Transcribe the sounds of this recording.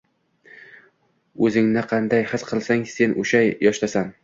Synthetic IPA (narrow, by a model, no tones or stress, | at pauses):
ɵzɪŋnɪqʰɑnd̪ajhɨsqʰɨlˠsaŋse̞nʔoʃajːɒʃlasan